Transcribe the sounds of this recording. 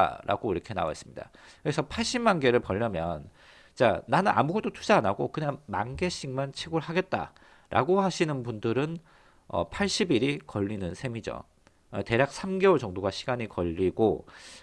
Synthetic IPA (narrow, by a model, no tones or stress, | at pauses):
ɾʔa̰ɡoiɾʌkʰe̞na̰wa̰s͈ɯmɲid̥a̰ | kɯɾe̞sʰʌpʰaɭɕ͈imanɡe̞ɾɯɭpʌʎːʌmjʌn | t͡ɕ͈a̰nanɯna̰muɡʌt͈otʰu̥d͡ʑaanaɡokɯɲaŋma̰nɡe̞ɕ͈ʰiŋmant͡ɕʰiɡɯɭhaɡe̞t̚t͈a̰ | ɾʔa̰ɡohaɕʰinɯnbundɯɾɯn | ʌ̰pʰaɭɕ͈ibiɾikʌʎːinɯnsʰe̞mid͡ʑo̰ | ʌte̞ɾjak̚s͈ʰamɡe̞wʌɭt͡ɕʌŋdoɡaɕʰiɡaɲikʌʎːiɡo